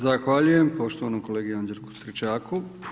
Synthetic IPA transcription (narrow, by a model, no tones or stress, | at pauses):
zaxʋaʎuje̞mpo̞ʃt̪oʋanokoleːɡijond͡ʒeɾku̥st̪ɾit͡ʃaːkʰu